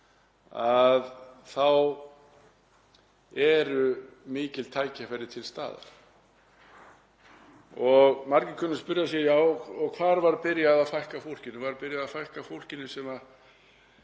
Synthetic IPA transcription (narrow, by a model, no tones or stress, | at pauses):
aðθaw | ɛɾʏmɪːcɪlt̪ʰaːjcakvɛɾɪt̪ʰɪlst̪a̰ːða̰ɾ̥ | ɔɣmaɾcɪkʰœnːʏspʏɾjasjɛjaːwɔɣkʰvaːɾvaɾpɪɾjaðaðfajhkafowl̥cɪnʏvaɾpɪɾjaðafajhkafowl̥cɪnːʏsɛma